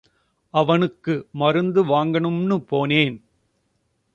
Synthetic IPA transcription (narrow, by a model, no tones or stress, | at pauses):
ʔɐʋɐnɯkːɯmɐɾɯnd̪ɯʋaːŋɡɐɳɯmnɯpoːneːn